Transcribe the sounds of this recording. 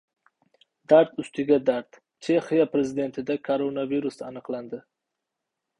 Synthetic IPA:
d̪aɾt̪ʰʊst̪iɡʲad̪aɾt̪ | t͡ʃʰeχijapɾezɪd̪ent̪ʰɪd̪akʰaɾonaviɾusa̰nɨqland̪ə

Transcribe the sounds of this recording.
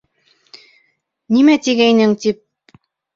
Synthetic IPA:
nimæt̪iɡæjnɘŋt̪ip̚

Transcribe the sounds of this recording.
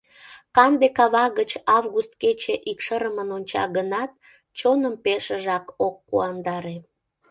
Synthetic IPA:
kɑnd̪ekɑβɑɣət͡ɕɑvɣust̪ket͡ɕeʔikʃəɾəmənonʲt͡ɕɑ̰ɣənɑt̪̚ | t͡ɕonəmpeʃəʒɑkokːṵɑnd̪ɑɾe

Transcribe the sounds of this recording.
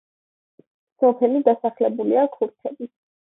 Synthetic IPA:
sɔpʰɛlid̪asaχlɛbuliakʰuɾt̪ʰɛbi

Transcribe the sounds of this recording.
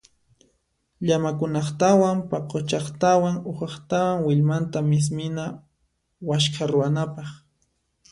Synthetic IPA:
ʎamakʊnɑχt̪awampaqot͡ʃɑχt̪awaŋʊχɑχt̪awaŋwɪʎmant̪amɪs̬mɪna | waʃkʰaɾʊwanapɑχ

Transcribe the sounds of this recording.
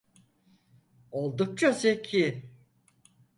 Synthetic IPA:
olˠd̪uk̚t͡ʃʰasekʰi

